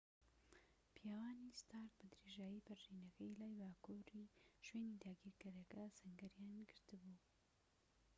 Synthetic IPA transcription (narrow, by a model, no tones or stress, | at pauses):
pʰijaːwaːnist̪aːɾk̚bɨd̪ɾeʒaːjipɨɾʒiːnɐkɐjlaːjbaːkuɾiʃweːnid̪aːɡiːɾkɨɾɐkɐsɨŋɡɐɾjaːnɡɨɾt̪ɨbuː